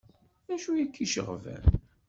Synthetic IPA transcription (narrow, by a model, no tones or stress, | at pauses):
æʃujækːiʃə̰ʁvæ̰n